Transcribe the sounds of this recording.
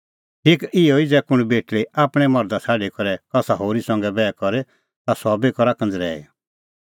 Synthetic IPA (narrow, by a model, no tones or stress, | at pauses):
ʈʰiːkɪjɔid͡zɛkʊɽ̃beːʈɭeaːpɽ̃ɛmɔɾd̪at͡sʰaːɖikɔɾɛkɐsaɦoːɾisɐ̃ŋɡɛbɛːkɔɾe | t̪asɔːbekɔɾakə̃nd͡zɾɛ̰ːḛ